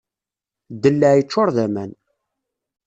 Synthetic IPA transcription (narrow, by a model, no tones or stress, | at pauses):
d̪ːəlːəʕjət͡ʃːʊɾˤðæmæn